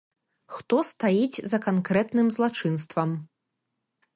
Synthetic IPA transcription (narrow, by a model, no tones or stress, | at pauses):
xt̪ɔst̪ajid͡zʲzɐkankɾɛt̪nɨmzlˠat͡ʂɨn̪st̪vɐm